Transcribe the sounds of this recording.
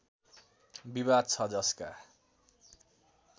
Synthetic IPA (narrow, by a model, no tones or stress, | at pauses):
biβad̪̚t͡sʰʌd͡zʌska